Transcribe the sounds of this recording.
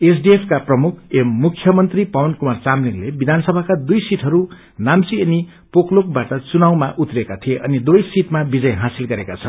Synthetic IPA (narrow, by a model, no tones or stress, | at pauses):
esɖiepʰkaprʌmukʰemːukʰjʌmʌnt̪ripʌwʌnkumart͡samliŋlebid̪ʱanʌsʌbʱakad̪ujsiʈʰɦʌɾu | namsieni | poklok̚baʈʌt͡sunawmaʔut̪rekat̪ʰijeʔʌnid̪ojsiʈmabid͡zʌjɦasilɡʌɾekat͡sʰʌn